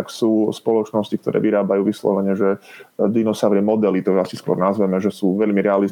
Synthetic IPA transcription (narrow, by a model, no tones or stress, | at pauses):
ksuːspɔlɔt͡ʃnɔscik̚t̪ɔɾɛ̰ːʋiɾaːbajuːʋislɔ̰ʋɛɲɛʒɛd̪inɔsaʊɾɪɛmɔd̪ɛlit̪ɔasiskwɔ̰ɾnazʋɛmɛʒɛsuːʋɛʎmiɾɛali